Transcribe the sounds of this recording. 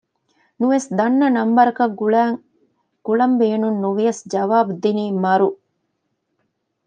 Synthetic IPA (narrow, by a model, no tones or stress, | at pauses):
nuʋesd̪ɐnːɐnɐmbɐɾɐkɐɡuɭæːŋ | ɡ̥uɭɐmbeːnunːuʋijɐsd͡ʒɐʋaːbud̪iniːmɐɾu